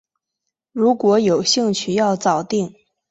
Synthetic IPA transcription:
ɻu˧˥kwɔ˧˥jo˨˩ʊɕi˥˧ŋt͡ɕʰy˥˧jɑ˥˩ʊt͡sɑ˨˩ʊt̪i˥˩ŋ

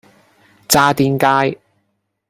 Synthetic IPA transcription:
t͡saː˧t̪iː˨˧nkaː˧j

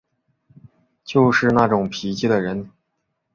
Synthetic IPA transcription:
t͡ɕjo˥˧ʊʂɻ̩˥˧na˥˩ʈ͡ʂʊ˨˩ŋpʰi˧˥t͡ɕi˥˩d̪ə˩ɻə˧˥n

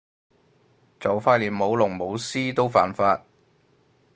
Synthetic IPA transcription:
t͡sɐ˨wfaː˧t̚liː˨˩p̚mo˨˧˥wlʊ˨˩ŋmo˨˧wsiː˥t̪o˥wfa̰ː˨˩nfaː˧t̚

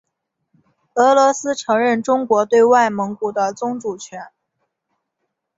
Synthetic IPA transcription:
ɤ˧˥lwɔ˧˥sɹ̩˥ʈ͡ʂʰɤ˧˥ŋɻə˥˩nʈ͡ʂʊ˥ŋkwɔ˧˥t̪we˥˧ɪwa˥˩ɪmɤ˧˥ŋku˨˩d̪ə˦t͡sʊ˥ŋʈ͡ʂu˨˩t͡ɕʰɥɛ˧˥n

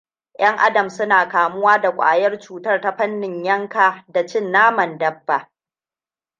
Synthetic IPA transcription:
j̰ʔɐ˦ŋʔa˦dɐ˨msʊ˦naː˨kaː˨mʊ˦waː˦da˨kʷʼa̰ː˨jɐ˦rt͡ʃuː˨tɐ˦rta˦ɸɐ˦nːɪ˨ɲjɐ˦ŋkaː˨da˨t͡ʃɪ˦˨nːaː˦mɐ˨ndɐ˦bːa˨ʔ

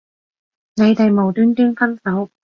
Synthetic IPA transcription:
ne˨˧jt̪e˨˧jmo˨˩wt̪yː˥nt̪ɪ˥ŋfɐ˥nsɐ˨˥w

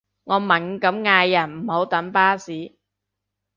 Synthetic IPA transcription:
ŋɔː˨˧mɐ˨˩n˧kɐ˨˥mŋaː˧jːɐ˨˩nm̩˨˩ho˨˥wt̪ɐ˨˥npaː˥siː˨˥

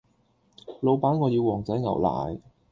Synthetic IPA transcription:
lo˨˧wpaː˨˥nŋɔː˨˧jiː˧wɔː˨˩ŋt͡sɐ˨˥jŋɐ̰˨˩wla̰ː˨˩j

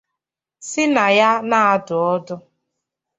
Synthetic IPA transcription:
sɪ˦na˨ja˦na˦a˦dʊ˨ɔ˦dʊ˦

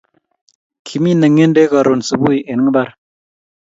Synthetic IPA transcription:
kʰi˨mi˦nə˨ŋe˦nde˦ka˨ɾo˨nsu˨bu˦jʔe˨n˦ŋ˦ba˦ɾ

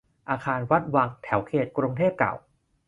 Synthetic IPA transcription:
ʔaː˧kʰaː˧nwa˦˥t̪̚waː˧ŋt̪ʰɛ˩˦wkʰeː˨˩t̪̚kɾu˧ŋt̪ʰeː˥˩p̚ka̰˨˩w

